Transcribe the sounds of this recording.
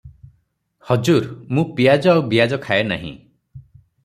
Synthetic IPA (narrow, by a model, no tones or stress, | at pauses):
hɔd͡ʒuɾmũpiad͡ʒɔawbijad͡ʒɔkʰaena̰ɦḭ̃